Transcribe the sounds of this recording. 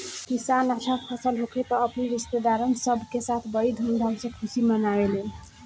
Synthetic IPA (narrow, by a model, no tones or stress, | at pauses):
kisanatʰapʰʌsəlɦokʰet̪ʌːpniɾist̪ed̪aɾənsʌbʱkesat̪ʰbʌid̪ʱund̪ʱawsẽkʰusimʌnawele